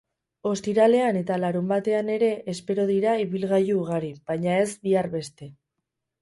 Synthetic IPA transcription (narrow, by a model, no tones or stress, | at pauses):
o̞st̪iɾale̞ane̞t̪alaɾumbat̪e̞ane̞ɾe̞ʔːspe̞ɾo̞ðiɾaiβilɣajuːɣ̞aɾiβ̥ajɲae̞zbiarβe̞st̪e̞